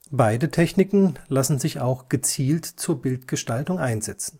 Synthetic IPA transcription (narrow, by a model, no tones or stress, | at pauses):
b̥aɪdətʰɛçnɪkŋ̩lasn̩zɪçaʊxɡ̥ət͡siːltt͡suːɐbɪltɡ̥əʃtaltʊŋʔaɪnzɛt͡sn̩